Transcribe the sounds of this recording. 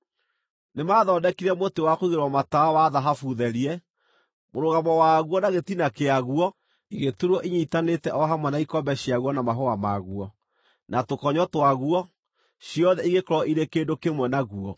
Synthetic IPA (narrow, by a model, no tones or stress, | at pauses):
nemaːðɔːdɛkiɾɛmotewakoiɣeɾwɔmataawaðaɦafuðɛɾiɛ | moɾoɣamɔwaɣuɔnaɣetinakeaɣuɔ | iɣetuɾɔʔiɲitanetɛʔɔɦamwɛnaikɔmbɛɕiaɣwɔnamaɦoama̰ɣuɔ | natokɔɲɔtwaɣuɔ | ɕiɔðɛiɣekɔɾɔʔiɾekeːndokemwɛnaɣuɔ